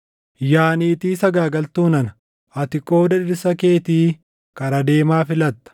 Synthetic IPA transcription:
jaːniːt̪iːsɐɡaːɡɐlt̪uːnɐnɐ | ɐt̪ɪkʼo̞ːd̪ɐᶑɪɾsɐke̞ːt̪iː | kɐɾɐd̪e̞ːmaːfɪlɐt̪ːɐ̥

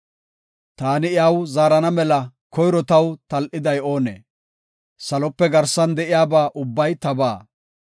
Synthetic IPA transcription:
t̪aːnɪjaːwzaːɾɐnɐmɛlɐkɔjɾɔt̪ɐwt̪ɐlʔɪd̪ɐjo̞ːnḛː | sɐlɔpːɛɡɐɾsɐnd̪ɛʔɪjaːbaːʔʊbːɐjt̪ɐbaː

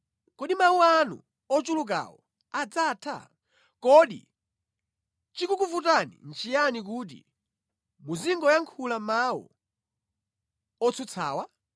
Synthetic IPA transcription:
kɔɗimawuanṵ | ɔt͡ʃuluk̬a̰wɔ̰ | ad͡zatʰa̰ | kɔɗḭ | t͡ʃikukuvutanḭnt͡ʃijanik̬uːt̬ḭ | muziŋɡɔjaŋkʰulamawṵ | ɔt͡sʰɔt͡sʰa̰ːwa

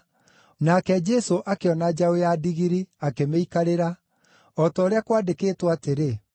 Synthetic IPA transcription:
nakɛd͡ʒɛsoʔakeɔnad͡ʒaojadiɣiɾiakemeikaɾeɾa | ɔtɔːɾeakwaːdekeːtwateɾe

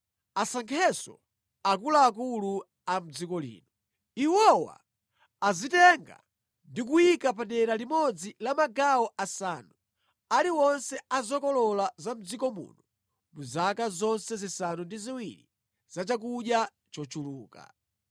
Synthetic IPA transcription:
asaŋkʰɛsɔ̰ | akulaːkulu | am̩d͡zikɔlḭːnɔ | iwɔwa̰ː | zitɛŋɡa̰ | ndik̬ujikap̬aɗɛɾalimɔd͡zilamaɡaɔʔasanu | aliwɔnsɛazɔkɔlɔlazam̩d͡zikɔmṵːnɔ | muzakazɔnsɛzisanundiziwiɾḭ | z̥at͡ʃakuɗja | t͡ʃɔt͡ʃuluːka̰

